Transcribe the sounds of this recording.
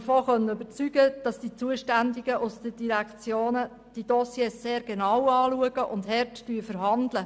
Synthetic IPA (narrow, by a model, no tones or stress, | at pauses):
əfoːχœnənøbəɾt͡syɡəd̥ɑsd̥it͡suəʃtændiɡəʔʊsd̥əd̥iɾækt͡sjoːnə | d̥id̥ɔsjeːsːeːɾɡ̥enɑwɑːluəɡ̥əʔʊndɦɛɾtd̥yːfəɾɦɑndlə